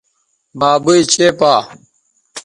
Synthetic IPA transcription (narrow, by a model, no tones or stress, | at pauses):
baːbuit͡ɕeːpaː